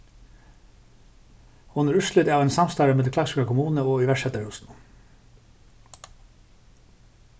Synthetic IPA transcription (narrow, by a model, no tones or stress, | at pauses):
ʊnəɹʉʃlʏd̪ɑːʋæɪnsɑmst̪ɑːɾəmɛːkʰlɑksɪkəkʰʊmuːnəoːiːʋæʃɛt̪əhʉːsn̩